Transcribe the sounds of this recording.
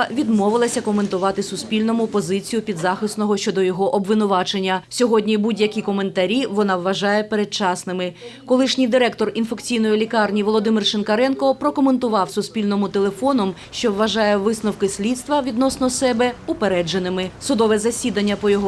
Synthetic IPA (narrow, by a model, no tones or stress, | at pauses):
ʋʲid̪mɔʋɪlˠɐsʲɐkɔme̞nt̪ʊʋɑt̪ɪsʊspʲilʲnɔmʊpɔzɪt͡sʲijʊpʲid̪zɑxɪsnɔɦɔʃt͡ʃɔd̪ɔjɔɦɔʔɔbʋɪnʊʋɑt͡ʃenʲːɐsʲɔɦɔdʲnʲibudʲjɐkʲikɔme̞nt̪ɐɾʲiʋɔnɑʋːɐʒɑjɛpeɾet͡ʃɑsnɪmɪkɔlˠɪʃnʲijd̪ɪɾɛkt̪ɔrinfekt͡sʲijn̪ɔjilʲikɑrnʲiʋɔlˠɔd̪ɪmɪrʃɪnkɐɾɛnkɔpɾɔkɔme̞nt̪ʊʋɑwsʊspʲilʲnɔmʊt̪elˠefɔnɔm | ʃt͡ʃɔʋːɐʒɑjɛʋɪsnɔwkɪsʲlʲit̪st̪ʋɐʋʲid̪nɔsnɔsɛbɛʊpeɾɛd͡ʒenɪmɪsʊd̪ɔʋɛzɐsʲid̪ɐnʲːɐpɔjɔɦɔ